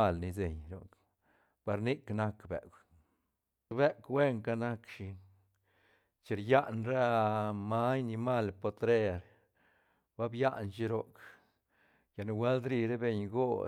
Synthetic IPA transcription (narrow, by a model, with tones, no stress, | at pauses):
a˧˨lni˧se˨ɲɾo˨k | pa˧ɾni˦kna˦kbḛ˨k | be˦kwe˦ŋka˧na˦kʃi˧ | t͡ʃe˧ɾja˦ʔnɾa˦ma˦jni˧ma˦˨lpo˧t̪ɾe˦ɾ | ba˦bja˦ʔnt͡ʃi˦ɾo˦˧k | ja˨nu˧we˦ld̪ɾi˧ɾe˦be˧ɲɡo˦